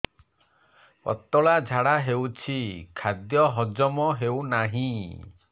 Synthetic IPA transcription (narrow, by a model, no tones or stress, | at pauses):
kɔ̰t̪ɔɭad͡ʒʱaɽaɦewt͡ʃʰikʰad̪jɔɦɔd͡ʒɔmɔɦewnaɦĩ